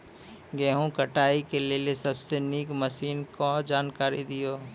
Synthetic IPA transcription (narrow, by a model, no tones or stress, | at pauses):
ɡɛːɦũkɐʈaːikelelesɐbseniːkməsiːnkɔ̃d͡ʒaːnkaːɾid̪ijoː